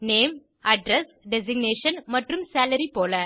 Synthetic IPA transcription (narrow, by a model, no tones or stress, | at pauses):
neːm | ɐɖɾɛs | ɖɛsɪɡneːʂɐnmɐʈrɯmsaːlɐɾipoːlɐ